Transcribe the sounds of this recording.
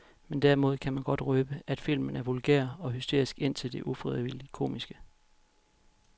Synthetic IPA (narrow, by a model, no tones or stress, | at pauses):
mend̥æɐimo̝ð̞̰ˠkʰæmænɡ̥ɒ̽d̥ʁœːb̥əæd̥fil̰mənæɐʋolɡ̥ḛɐ̰ɒ̽ɦysd̥e̝̰ɐ̰isɡ̥e̝n̰t͡sʰe̝ld̥e̝ʔufʁiðˠʋili̥kʰo̝̰ːmisɡ̥ə